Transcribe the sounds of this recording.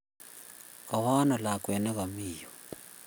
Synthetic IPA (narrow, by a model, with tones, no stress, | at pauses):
ka˨wa˦na˨la˨k̬ʼwɛ˨nɛ˦ka˨miːjɔ